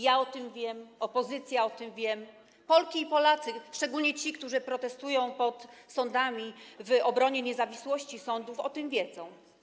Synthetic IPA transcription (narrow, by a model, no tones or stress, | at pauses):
jaɔt̪ɘmvʲjɛmɔpɔzɘt̪sʲjaɔt̪ɘmvʲjɛm | pɔlkʲiːpɔlat̪sɘʂt͡ʂɛɡulɲɛt͡ɕikt̪uʐɘpɾɔt̪ɛst̪ujɔ̃w̃pɔt̪sɔnd̪amʲivɔbɾɔɲɛɲɛzavʲiswɔɕt͡ɕisɔnd̪ufɔt̪ɘmvʲjɛd̪zɔ̃w̃